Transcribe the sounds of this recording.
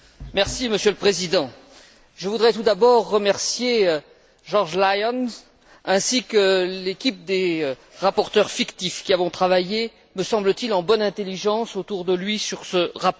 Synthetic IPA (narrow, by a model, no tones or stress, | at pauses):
mɛʁsiməsjøləpχezid̪ɑ̃ | ʒəvud̪ʁɛt̪ud̪abɔʁːəmɛʁsje | ʒɔʁʒlajɔn | ɛ̃sikəlekʲip̚d̪e | ʁapɔʁt̪œʁfikt̪ifkʲiavɔ̃t̪χavaje | məsɑ̃blət̪ilɑ̃bɔnɛ̃t̪eliʒɑ̃sot̪uʁd̪əlɥisyʁsəʁap